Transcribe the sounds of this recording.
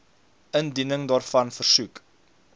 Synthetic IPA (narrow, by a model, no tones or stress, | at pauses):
əndinəŋdɑːrfɐnfərsʉk